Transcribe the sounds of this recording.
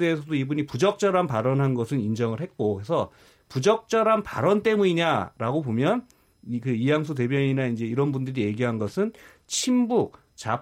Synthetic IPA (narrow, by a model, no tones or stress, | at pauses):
deːsʰʌdoibuɲipud͡ʑʌk̚t͡ɕ͈ʌɾanpaɾʌnɦanɡʌsʰɯnind͡ʑʌŋɯɭɦe̞t̚k͈okesʰʌ | pud͡ʑʌk̚t͡ɕ͈ʌɾanpa̰ɾʌnt͈e̞muɲiɲaɾaɡobomjʌn | kɯijaŋs̬ʰut̬e̞bjʌɲinaind͡ʑe̞iɾʌnbundɯɾije̞ɡiɦanɡʌsʰɯn | t͡ɕʰimbuk̚ | t͡ɕa